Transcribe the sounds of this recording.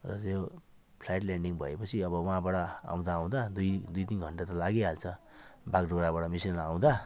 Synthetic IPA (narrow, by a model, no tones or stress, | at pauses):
rʌt̪jo | pʰlajʈlaɳɖiŋbʱʌepʌt͡sʰiʌbʌwãbaɽʌa̰w̃d̪aw̃d̪ad̪ujd̪ujt̪inɡʱʌɳʈat̪ʌlaɡeɦalt͡sʰʌ | bakɖoɽabaɽʌmisinlaaw̃d̪a